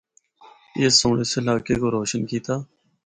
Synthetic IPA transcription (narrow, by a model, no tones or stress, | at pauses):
ɪːsoːɽeslaːkekoːɾoːʃənkiːt̪aː